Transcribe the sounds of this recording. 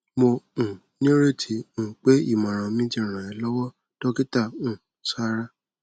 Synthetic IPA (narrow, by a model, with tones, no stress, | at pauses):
mo˧ũ˨ | nĩ˦ɾe˦˨tʰi˧˦ũ˦˨k͡pe˦i˦˨mã˨ɾ̃ã˨mĩ˦tĩ˦˨ɾ̃ã˨ɛ˧lɔ˦wɔ˦ | tɔ˦ki˦ta˦˨ũ˨ | sa˦ɾa˦